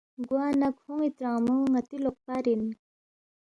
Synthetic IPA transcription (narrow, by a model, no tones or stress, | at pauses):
ɡwanakʰoŋit̪ɾaŋməŋat̪iloχ̚paɾen